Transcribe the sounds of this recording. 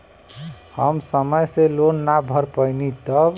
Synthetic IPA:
həmsəməjselonːabʱəɾpəjnit̪ə

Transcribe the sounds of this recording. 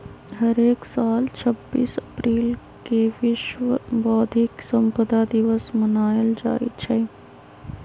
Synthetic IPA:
ɦəɾeːksaːlt͡ʃʰəbːḭːsəpɾiːl | keʋɪʃʋəbɔːd̪ʱɪksəmpəd̪ʱad̪ɪʋəsmənaːjəld͡ʒa̰ːḭt͡ʃʰɛː

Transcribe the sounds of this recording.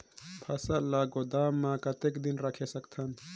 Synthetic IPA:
pʰɐsalaɡod̪aːmːãkət̪ekd̪inɾakʰesəkt̪ʰən

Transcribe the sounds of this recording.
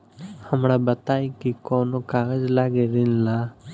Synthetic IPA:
həmɽaːbət̪aːikikoːnokaːɡəd͡ʒlaːɡeɾɪnlaː

